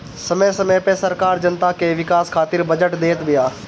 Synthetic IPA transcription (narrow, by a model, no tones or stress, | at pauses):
sɐməjsɐməjpesɐɾkaːɾd͡ʒɐnt̪akeʋɪkaːskʰaːt̪ɪɾbɐd͡ʒəʈd̪eːt̪bijaː